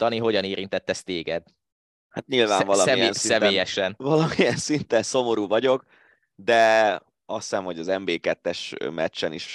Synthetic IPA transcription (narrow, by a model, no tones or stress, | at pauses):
t̪ɒniɦo̞ɟɒneːɾint̪ɛt̪ːɛst̪eːɡɛd̪ | hat̪ɲilvaːmvɒlɒɛinssɛveːjɛʃɛnvɒlɒmijɛnsint̪ɛnso̞mo̞ɾuːvɒɟo̞k | d̪ɛ | ɒssɛmho̞ɟɒzɛmbeːkɛt̪ːɛʃmɛt͡ʃːɛniʃ